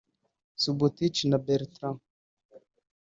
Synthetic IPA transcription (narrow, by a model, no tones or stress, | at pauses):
subut̪it͡ʃinabɛɾt̪ɾam